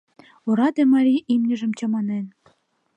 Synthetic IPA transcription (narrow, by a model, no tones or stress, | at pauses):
uɾɑd̪emɑɾʲiʔimnʲɘ̆ʒɘ̆mt͡ɕɑ̆mɑnen